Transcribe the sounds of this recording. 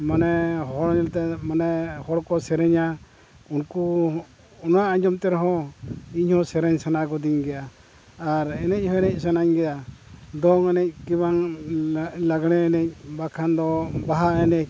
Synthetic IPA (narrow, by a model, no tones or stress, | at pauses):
manɛɦɔɽɲɛlt̪ɛmanɛhɔɽkɔsɛɾɛɲa | unku | ɔnaʔad͡ʒɔmt̪ɛɾɔɦɔ̃iɲhɔsɛɾɛɲsanakɔd̪iɲɡɛjaː | ɾɛnɛc̚ˀhɔɛnɛc̚ˀsanaɲɡɛjad̪ɔŋɛnɛc̚kibaŋ | laɡɽ̃ɛɛnɛc̚bakʰand̪ɔbaɦaɛnɛc̚